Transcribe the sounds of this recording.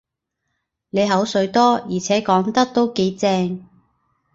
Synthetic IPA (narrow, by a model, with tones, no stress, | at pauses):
ne˨˧jɦɐ˨˥wsɵ˨˧ɥt̪ɔː˥jiː˨˩t͡sʰɛː˨˥kɔː˨˥ŋt̪ɐ˥k̚t̪o˥wke˨˥jt͡sɛː˧ŋ